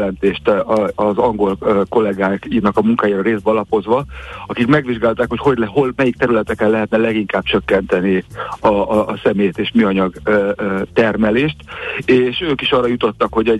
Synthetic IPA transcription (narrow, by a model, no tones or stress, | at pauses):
lɛnt̪eːʃt̪ːzɒŋɡo̞lko̞lɛɡaːkinɒkɒmuŋkaːjiːɾɒɾeːzd̪bɛɒlɒpo̞zʋɒɒkikmɛɡʋiʒɡaːlt̪aːkho̞cho̞ɟlɦo̞lmɛjik̚t̪ɛɾylɛt̪ɛkɛlɛɦɛt̪nɛlɛɡiŋkaːb̚t͡ʃø̞kːɛnt̪ɛniɒːsɛmeːjt̪eːʃmyɒɲɒɡ | t̪ɛrmɛleːʃt̪eːʃøːkiʃɒːrɒjut̪o̞t̪ːɒkho̞ɟɛ